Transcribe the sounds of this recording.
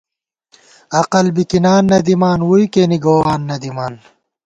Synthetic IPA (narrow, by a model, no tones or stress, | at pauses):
ɐqɐlbikinaːnːɐd̪imaːnwujkeniɡoːwaːnːɐd̪imaːn